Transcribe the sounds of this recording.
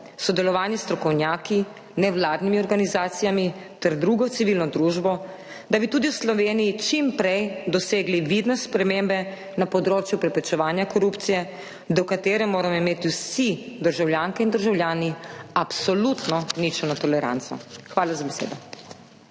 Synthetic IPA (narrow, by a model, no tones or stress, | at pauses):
sɔd̪ɛlɔʋaːnjɛst̪ɾɔkɔwnjaːki | nɛwlaːd̪nimiɔɾɡanizaːt̪sijamit̪ɛɾd̪ɾuːɡɔt̪siʋiːlnɔd̪ɾuʒbɔ | d̪abit̪uːd̪iwslɔʋeːnijit͡ʃimpɾɛjd̪ɔseːɡliʋid̪nɛspɾɛmembɛ | napɔd̪ɾoːt͡ʃjupɾɛpɾɛt͡ʃɛʋaːnjakɔɾupt̪sijɛ | d̪ɔkat̪eːɾɛmoːɾamɔimeːt̪iwsid̪əɾʒawljaːŋkɛind̪əɾʒawljaːniapsɔlut̪nɔnit͡ʃɛnɔt̪ɔlɛɾa̰nt̪sɔ̰xʋaːlazabɛsḛːd̪ɔ